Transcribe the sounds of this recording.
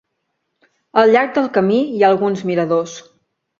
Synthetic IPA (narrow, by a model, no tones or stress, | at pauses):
əlˠʎaɾɡ̚d̪əlˠkəmiiaəlˠɣunzmiɾəðos